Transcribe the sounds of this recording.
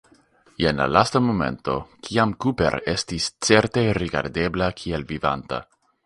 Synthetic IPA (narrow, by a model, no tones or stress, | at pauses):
jenla̰lastamo̞me̞̰nto̞kʰiamkupe̞̰ɾe̞stist͡se̞ɾte̞ɾiɡa̰ɾde̞blakʰielviva̰nta̰